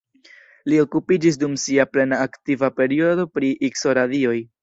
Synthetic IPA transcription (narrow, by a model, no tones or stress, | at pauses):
lio̞kupid͡ʒis̬dumsiaple̞naːktivape̞ɾio̞do̞pɾiʔikso̞ɾadio̞j